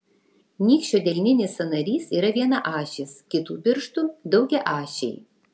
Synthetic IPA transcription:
nʲiːkʃʲt͡ʃʲoːd̪ʲɛlʲnʲɪnʲɪsɐnɐɾʲiːsiːɾɐʋʲiɛnɐʔɑːʃʲɪskʲɪt̪uːpʲɪɾʃt̪uːd̪ɒʊɡʲɛʔɑːʃʲɛɪ

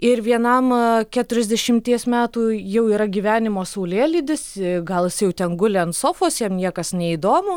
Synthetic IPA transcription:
ɪrʋʲiɛnɐmkʲæt̪ʊɾʲɛzʲd̪ʲɛʃʲɪmʲt̪ʲiɛsmʲæːt̪uːjɛʊiːɾɐɡʲiːʋʲæːnʲɪmoːsɐʊlʲeːlʲiːd̪ʲɪsɪɡɐlˠɪsjɛʊt̪ʲɛnɡʊlʲɛɐntsoːfoːsjiɛmnʲiɛkɐsnʲɛiːd̪oːmoː

